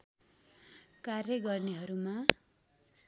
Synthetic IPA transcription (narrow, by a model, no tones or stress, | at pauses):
karjʌɡʌrneɦʌɾuma